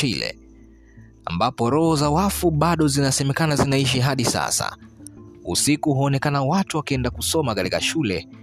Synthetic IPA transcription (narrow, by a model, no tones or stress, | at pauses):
ilɛ̰ | a̰mbapɔɾɔhɔzawafuɓaɗɔzinasɛmɛkanazinaiʃiɦaɗisa̰sa̰ | ṵsikuhuːnɛkanawatuwakiɛndakusɔmakatika̰ʃulɛ